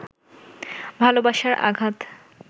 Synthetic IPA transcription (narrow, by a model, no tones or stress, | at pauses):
bʱalobaʃaɾʔa̰ɡʱat̪